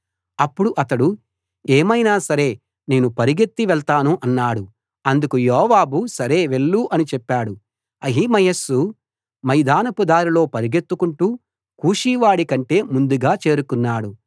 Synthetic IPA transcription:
ɐpːuɽuʔɐt̪ɐɽu | eːmɐjnaːsɐɾe̞ː | ne̞ːnupɐɾiɡe̞t̪ːiʋɛɭt̪aːnuʔɐnːaːɽu | ɐnd̪ukujɔːʋaːbusɐɾe̞ːʋe̞ɭːuʔɐnit͡ʃɛpːaːɽu | ɐɦimɐjɐsːu | mɐjd̪aːnɐpud̪aːɾilo̞ːpɐɾiɡe̞t̪ːukuɳʈuː | kuːʂiːʋaːɽikɐɳʈe̞ːmund̪uɡaːt͡ʃe̞ːɾukunːaːɽu

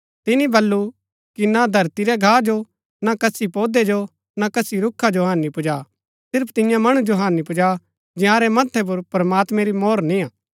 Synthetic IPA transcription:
t̪ɪnĩbɐlːu | kinad̪ʱɐɾt̪iɾɛɡʱaːd͡ʒo | nakɐsipoːd̪ed͡ʒo | nakɐsiɾʊkʰːad͡ʒoɦãːnːipʊd͡ʒa | sɪɾpʰt̪ɪjãmɐɽ̃ũd͡ʒoɦãːnipʊd͡ʒa | d͡ʒɪ̃ãːɾemɐt̪ʰːɛp̬ʊɾpɾɐmaːt̪mɛ̃ɾimɔːɾnĩãː

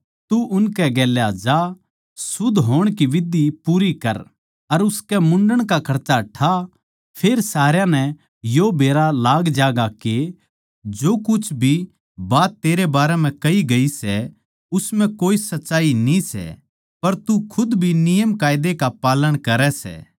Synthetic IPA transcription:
t̪uʊnkɛɡɛːljad͡ʒa | sʊd̪ʱɦoːɽ̃kiʋɪd̪ipuːɾikɐɾ | ɐɾʊskɛmʊ̃ɳɖəɽ̃kakʰɐɾt͡ʃaʈʰa | pʰeːɾsaːɾjãnɛ | jobeːɾalaːɡd͡ʒaːɡake | d͡ʒoːkʊt͡ʃʰbʱi | baːt̪ːeːɾebaːɾɛm̤ɛ̃kɐiɡɐisɛ | ʊsmɛ̃koːisɐtːʃaːinĩsɛ̰ | pɐɾt̪ukʰʊd̪bʱinɪjəmkaːɪd̪ekapaːləɽ̃kɐɾɛsɛ̰ː

